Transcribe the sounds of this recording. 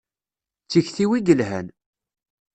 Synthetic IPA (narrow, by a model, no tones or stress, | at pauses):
t͡sːiçθiwiɡəlɦæn